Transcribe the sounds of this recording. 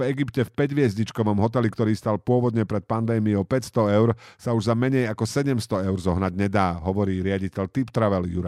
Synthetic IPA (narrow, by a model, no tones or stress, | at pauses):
ɛɡipcɛfpɛɟʋɪɛzɲit͡ʃkɔʋɔmɦɔt̪ɛlikt̪ɔɾiːst̪alpʊɔʋɔd̪ɲɛpɾɛt̪̚pand̪ɛːmiɔʊpɛcst̪ɔɛʊɾsauʒzamɛɲɛjakɔsɛɟɛmst̪ɔɛʊɾzɔɦnaɟɲɛd̪aːɦɔʋɔɾiːɾɪaɟicɛʎt̪ipt̪ɾaʋɛljuɾa